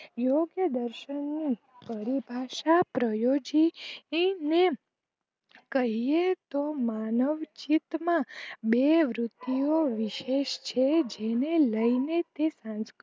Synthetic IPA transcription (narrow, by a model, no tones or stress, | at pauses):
joɡjəd̪əɾʃənːi | pəɾibʱaʃapɾəjod͡ʒi | ne | kəɦiet̪omanəʋt͡ʃit̪mãbeʋɾʊt̪ːijoʋiʃeʃt͡ʃʰed͡ʒeneləinet̪esãnsk